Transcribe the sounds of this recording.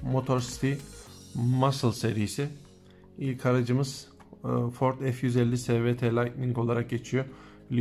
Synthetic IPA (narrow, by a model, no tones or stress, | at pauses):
mo̞t̪ʰo̞ɾsi̥t̪ʰi | masɯlˠseɾijisɪ | ilʲkʰaɾad͡ʒɯmɯz̥ | fo̞ɾt̪ʰɛfjyzɛlʲːisɛːvɛt̪ʰelʲacmiŋko̞lˠaɾak̚ɟe̞t͡ʃʰijo | lʲ